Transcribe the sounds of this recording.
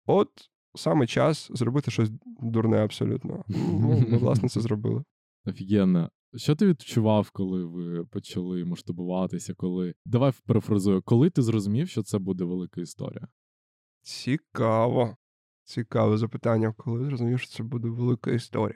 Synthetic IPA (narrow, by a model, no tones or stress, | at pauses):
ɔt̪ | sɑmɪt͡ʃa̰szɾɔbɪt̪ɪʃɔsʲd̪ʊrnɛɐpsɔ̰lʲṵt̪nɔ̰ɦɔnunɛʋlˠɑ̰snɛt̪sɛzɾɔbɪ̰lˠɪ | ɐfʲiɡʲɛnːɐ | ʃt͡ʃɔt̪ɪʋʲid̪t͡ʃʊʋɑwkɔlˠɪʋɪpɔt͡ʃɐlˠɪmɔʃt̪ʊbʊʋɑt̪ɪsʲɐkɔlˠɪd̪ɐʋajpɾefɾɐzujʊkɔlˠɪt̪ɪzɾɔzʊmʲiwʃt͡ʃɔt̪sɛbud̪ɛʋelˠɪkɐist̪ɔ̰ɾʲḭjɐ | t͡sʲikɑʋɔ | t͡sʲikɑʋɛzɐpɨt̪ɑnʲːɐkɔlˠɪzɾɔzʊmʲiwʃt͡ʃɔ̥t̪sɛbud̪ɛʋelˠɪkɐ̰ist̪ɔ̰ɾʲij